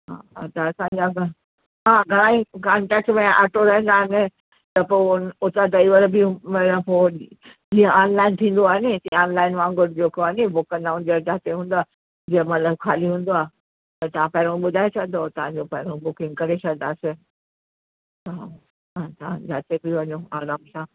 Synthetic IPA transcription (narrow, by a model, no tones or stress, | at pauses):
ɦã̰ːt̪ɐɐsãɲd͡ʑaɡʱ | ɦãːɡʱɐɾãːĩkaːɳʈɛːk̚ʈmẽʔɐʈʰoɾɐɦə̃n̆d̪aːɦɪnɪ̆ | t̪ɐpoːʊnʊt̪ad̪aiʋəɾbimɐəpoː | iə̃aːnlaːɪnt̪ʰĩːn̆d̪oaːɦnɪt̪ɐiaːnlaːɪnʋãːŋɡʊɾd͡ʑeːkoaɦɪnebʊkkɐ̃nd̪aɦũnd͡ʑɾd͡ʑaːt̪eɦũːn̆d̪aː | d͡ʑimɐt̪ləbkʰaːliɦũːn̆d̪oaː | t̪ɐt̪ɐʋ̤ãpɐɪɾ̃õɓʊd̪ʱaːet͡ɕʰɐd̪ot̪ɐʋ̤ãɲd͡ʑopɐɦɪɾõbʊkɪ̃ŋɡkɐɾet͡ɕʰɐɡnaːsɪ | tɐã | ɦãt̪ɐʋã̰d͡ʑaːt̪ebɪʋɐɲoaːɾaːmsãː